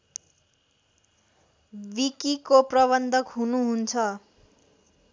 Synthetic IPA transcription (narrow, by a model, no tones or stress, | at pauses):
bikikoprʌβʌnd̪ʱʌkɦunuɦunt͡sʰʌ